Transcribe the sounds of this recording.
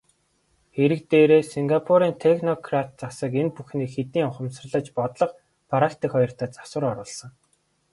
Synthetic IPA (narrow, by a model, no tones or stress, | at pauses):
xeɾɘ̆k̚t̪eːɾeːsiŋɡapʰuɾiːnt̪ʰexnɔkʰrat̪̚t͡sasə̆k̬enpuxniːkxet̪iːŋɔχə̆msə̆rɮə̆t͡ɕpɔt̪ɮɞ̆q | pʰaɾakt̪iːkχɔjɞ̆r̥t̪ʰœːt͡sḁswə̆ɾɔɾʊːɮsə̆ŋ